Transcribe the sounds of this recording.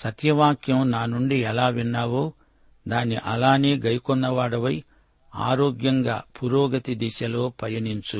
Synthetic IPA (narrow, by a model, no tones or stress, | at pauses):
sɐt̪jɐʋaːkjɐmnaːnuɳɖiɛlaːʋinːaːʋo̞ː | d̪aːniʔɐlaːneːɡɐjkɔnːɐʋaːɽɐʋɐj | a̰ːɾoːɡjɐŋɡa̰ːpuɾɔːɡɐt̪id̪iʃɐlo̞ːpɐjɐnint͡ʃu